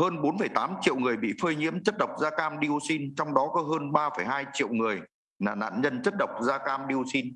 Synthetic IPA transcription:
həː˧nɓo˨˦nfə˧˩jt̪aː˨˦mt͡ɕḭ˧˨əwŋɨ˨˩əjɓḭ˧˨fəː˧jɲḭ˧˥əmt͡ɕə˦˥t̚ɗə˨˩wk͡p̚zaː˧kaː˧mɗi˧əwsi˧nt͡ɕɔ˧wŋ͡mɗɔ˨˦kɔ˨˦ɦəː˧nɓaː˧fəː˧˩jɦaː˧jt͡ɕḭ˧˨wŋɨ˨˩əj | naː˨˩na̰ː˧˨nɲə˧nt͡ɕə˦˥t̚ɗə˨˩wk͡p̚zaː˧kaː˧mɗi˧əwsi˧n

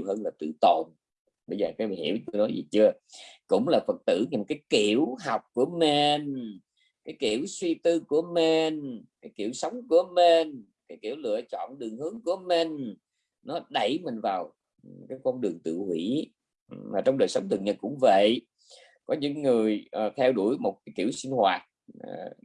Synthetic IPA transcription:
wɦəː˧nlaː˨˩t̪ɨ̰˧˨t̪o˨˩n | ɓə˧jzəː˨˩kaː˨˦˨hḭ˧˥əwt̪ːnɔ˨˦jzi˨˩t͡ɕɨ˧ə | kʊ̰˧˥ŋ͡mlaː˨˩fə˨˩t̚t̪ɨ̰˧˩ɲi˨˩kaː˨˦jki˧˨əwɦa˨˩wk͡p̚ku˧˩əme˧n | kaː˨˦jki˧˨əwswi˧t̪ɨ˧ku˧˩əme˧nkaː˨˦jki˧˨əwsə˨˦wŋ͡mku˧˩əme˧n | kaː˨˦jki˧˩əwlɨ̰˧˨ət͡ɕɔ̰˧˨nɗɨ˨˩əŋhɨ˨˦əŋku˧˩əme˨˧˩n̟ | nɔ˨˦ɗə˧˩jmï˨˩ŋ̟vaː˨˩w | kaː˨˦jkɔ˧nɗɨ˨˩əŋt̪ɨ̰˧˨hwi˧˥ | maː˨˩t͡ɕɔ˧wŋ͡mɗəː˨˩jsə˨˦wŋ͡mt̪ʰɨ˨˩əŋɲə˧nkʊ̰˧˥ŋ͡mvə̰˧˨j | kɔ˨˦ɲɨ̰˧˥ŋːɨ˨˩əjʔt̪ʰɛ˧wɗu˧˩əjmo˨˩t̚kaː˨˦jki˧˩wsï˧ŋhwaː˨˩t̚ː

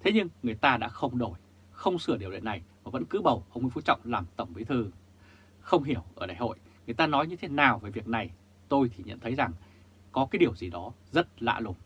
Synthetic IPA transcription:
t̪ʰe˨˦ɲɨ˧ŋːɨ˨˩əjt̪aː˧ɗa̰ː˧˥xə˧wŋ͡mɗo˧˩j | xə˧wŋ͡msɨ˧˩əɗi˨˩wlḭ˧˨nːa˨˩jvaː˨˩və̰˧˥nkɨ̰˨˦ɓə˨˩wʔə˧wŋ͡mḭ˧˦fu˧˦t͡ɕɔ̰˧˨wŋ͡mlaː˨˩mt̪ə˧˩wŋ͡mvi˨˦t̪ʰɨ˧˩ | xə˧wŋ͡mɦi˧˩əwʔəː˧˩ɗaː˧˩jho̰˧˨j | ŋɨ˨˩əjt̪aː˧nɔ˨˦jɲɨ˧t̪ʰe˨˦naː˨˩wvəː˨˦jvi˨˩ək̚na˨˩j | t̪o˧jt̪ʰi˨˩ɲə̰˧˨nt̪ʰə˨˦jza˨˩ŋ | kɔ˨˦kaː˨˦jɗi˨˩əwzi˨˩ɗɔ˨˦zə˦˥t̚la̰ː˧˨lʊ˨˩m

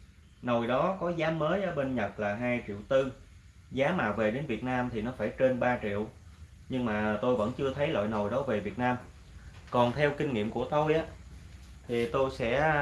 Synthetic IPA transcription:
no˨˩jɗɔ˨˦kɔ˨˦zaː˨˦məː˨˦jʔəː˧˦ɓe˧nɲə˨˩t̚laː˨˩ɦaː˧jt͡ɕḭ˧˨wt̪ɨ˧ | zaː˨˦maː˨˩wve˨˩ɗe˨˦nvi˨˩ət̚naː˧mt̪ʰi˨˩nɔ˨˦faː˧˩jt͡ɕe˧nɓaː˧t͡ɕḭ˧˨əw | ɲɨ˧ŋmaː˨˩t̪o˧jvə̰˧˥nt͡ɕɨ˧ət̪ʰə˨˦jlə̰ː˧˨jno˨˩jɗɔ˨˦ve˨˩vi˨˩ət̚naː˧m | kɔ˨˩nt̪ʰɛ˧wkï˧ŋ̟ŋḭ˧˨mku˧˩ət̪o˧jʔaː˦˥ | t̪ʰi˨˩t̪o˧jsɛ̰˧˥

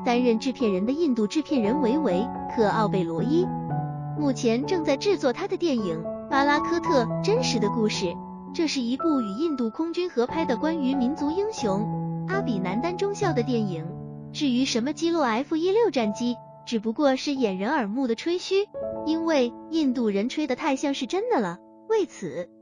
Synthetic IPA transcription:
t̪a˥nɻə˥˧nʈ͡ʂɻ̩˥˧pʰjɛ˥˩nɻə˧˥nd̪ə˧i˥˧nt̪u˥˧ʈ͡ʂɻ̩˥˧pʰjɛ˥˩nɻə˧˥nwe˧˥ɪwe˧˥ɪkʰɤ˨˩ɑ˥˧ʊpe˥˩ɪlwɔ˧˥i˥ | mu˥˩t͡ɕʰjɛ˧˥nʈ͡ʂɤ˥˧ŋt͡sa˥˧ɪʈ͡ʂɻ̩˥˧t͡swɔ˥˩t̪ʰa˥d̪ə˨t̪jɛ˥˩ni˨˩ŋpa˥la˥kʰɤ˥t̪ʰɤ˥˩ʈ͡ʂə˥nʂɻ̩˧˥d̪ə˧ku˥˧ʂɻ̩˥˩ | ʈ͡ʂɤ˥˧ʂɻ̩˥˩i˧˥pu˥˩y˨˩i˥˧nt̪u˥˩kʰʊ˥ŋt͡ɕy˥nxɤ˧˥pʰa˥ɪd̪ə˨kwa˥ny˧˥mi˧˥nt͡su˧˥i˥ŋɕjʊ˧˥ŋa˥pi˨˩na˧˥nt̪a˥nʈ͡ʂʊ˥ŋɕjɑ˥˩ʊd̪ə˩t̪̬jɛ˥˩ni˨˩˦ŋʈ͡ʂɻ̩˥˩y˧˥ʂə˧˥nmə˧t͡ɕi˥lwɔ˥˩a˧˥ɪfu˥˧i˥ljo˥˧ʊʈ͡ʂa˥˩nt͡ɕi˥ | ʈ͡ʂɻ̩˨˩pu˧˥kwɔ˥˧ʂɻ̩˥˩jɛ˨˩nɻə˧˥nə˞˨˩mu˥˩d̪ə˩ʈ͡ʂʰwe˥ɪɕy˥i˥nwe˥˧ɪi˥˧nt̪̬u˥˩ɻə˧˥nʈ͡ʂʰwe˥ɪd̪ə˨t̪ʰa˥˧ɪɕjɑ˥˧ŋʂɻ̩˥˩ʈ͡ʂə˥nd̪ə˨lə˩ | we˥˩ɪt͡sʰɹ̩˨˩˦

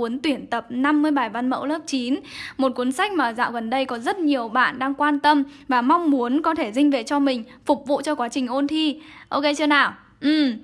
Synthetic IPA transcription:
u˨˦ənt̪wi˧˩ənt̪ə˨˩p̚na˧mːɨ˧əjɓa˨˩jva˧nmə̰˧˥wləː˦˥p̚t͡ɕi˨˦nmo˨˩t̚ku˨˦ənsa˦˥k̟̚maː˨˩za̰ː˧˨wɣə˨˩nɗə˧jkɔ˨˦zə˦˥t̚ɲi˨˩əwɓa̰ː˧˨nɗaː˧ŋkwaː˧nt̪ə˧mvaː˨˩ma˧wŋ͡mmu˨˦ənkɔ˨˦t̪ʰe˧˩zï˧ŋ̟vḛ˧˨t͡ɕɔ˧mï˨˩ŋ̟fʊ˨˩k͡p̚vṵ˧˨t͡ɕɔ˧kwaː˨˦t͡ɕï˨˩ŋ̟ʔo˧nt̪ʰi˧ʔo˧wke˧t͡ɕɨ˧ənaː˨˩w | ʔɨ˨˩m

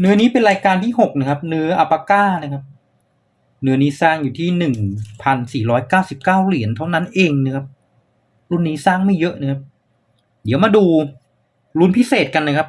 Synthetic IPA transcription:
nɯ˦˥ɐniː˦˥pe˧nɾaː˧jkaː˧nt̪ʰiː˥˩ɦo˨˩k̚na˧˩kʰa˦˥p̚nɯ˦˥ɐʔa˨˧pːa˧kaː˥˩na˧˩kʰa˦˥p̚ | nɯ˦˥ɐniː˦˥saː˥˩ŋjuː˨˩t̪ʰiː˥˩nɯ˨˩ŋpʰa˧nsiː˨˩ɾɔː˦˥jkaː˥˩wsi˨˩p̚kaː˥˩wli˩˦ənt̪ʰa˥˩wna˦˥nʔeː˧ŋna˧˩kʰa˦˥p̚ | ɾu˥˩nːiː˦˥saː˥˩ŋma˥˩jɤ˦˥ʔna˧˩kʰa˦˥p̚ | di˩˦wmaː˧duː˧ | lu˧˥npʰi˦˥seː˨˩t̪̚ka˧nːa˧˩kʰa˦˥p̚

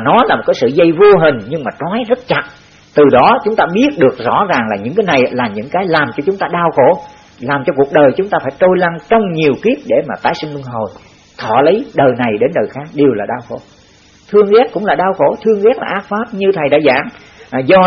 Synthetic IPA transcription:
nɔ˨˦laː˨˩mo˨˩t̚kːaː˨˦sɨ̰˧˨zə˧jvo˧ɦï˨˩ŋ̟ɲɨ˧ŋmaː˨˩t͡ɕwɔː˨˦jzə˦˥t̚t͡ɕa˨˩t̚ | t̪ɨ˨˩ɗɔ˨˦t͡ɕʊ˨˦ŋ͡mt̪aː˧ɓi˦˥ət̚ɗɨ˨˩ək̚zɔ̰˧˥zaː˨˩ŋlaː˨˩ɲɨ̰˧˥ŋkaː˨˦jna˨˩jlaː˨˩ɲɨ̰˧˥ŋkaː˨˦jlaː˨˩mt͡ɕɔ˧t͡ɕʊ˨˦ŋ͡mt̪aː˧ɗaː˧wxo˧˩˦ | laː˨˩mt͡ɕɔ˧ku˨˩ək̚ɗəː˨˩jt͡ɕʊ˨˦ŋ͡mt̪aː˧faː˧˥jt͡ɕ̪o˧jla˧ŋt͡ɕɔ˧wŋ͡mɲi˨˩əwki˦˥ət̚ɗe˧˩maː˨˩t̪aː˨˦jsï˧ŋlu˧əŋɦo˨˩j | t̪ʰɔ̰˧˨lə˨˦jɗəː˨˩jna˨˩jɗe˨˦nɗəː˨˩jxaː˦˥k̚ɗe˨˩əwlaː˨˩ɗaː˧wxo̰˧˩˦ | t̪ʰɨ˧əŋɣɛ˦˥t̚kʊ̰˧˥ŋ͡mlaː˨˩ɗaː˧wxo˧˩t̪ʰɨ˧əŋɣɛ˦˥k̚la̰ː˨˩ʔaː˦˥k̚faː˦˥p̚ɲɨ˧t̪ʰə˨˩jɗa̰ː˧˥za̰ː˧˥˩ŋ | zɔ˧

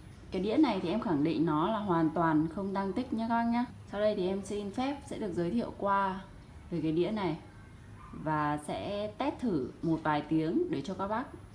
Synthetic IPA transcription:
kaː˨˦jɗḭ˧˥əna˨˩jt̪ʰi˨˩ʔɛ˧mxa˧˩ŋɗḭ˧˨ŋ̟nɔ˨˦laː˨˩ɦwaː˨˩nt̪waː˨˩nxə˧wŋ͡mɗa˧ŋt̪ï˦˥k̟̚ɲa˨˦xa˧ŋɲaː˧˦ | sa˧wɗə˧jt̪ʰi˨˩ʔɛ˧msi˧nfɛ˦˥p̚sɛ̰˧˥ɗɨ˨˩ək̚zəː˨˦jt̪ʰḭ˧˨əwkwaː˧ | veː˨˩jkaː˨˦jɗḭ˧˥əna˨˩j | vaː˨˩sɛ̰˧˥t̪ɛ˦˥p̚t̪ʰɨ˧˩mo˨˩t̚vaː˨˩jt̪i˨˦əŋɗe˧˩t͡ɕɔ˧kaː˦˥k̚ɓa˦˥k̚

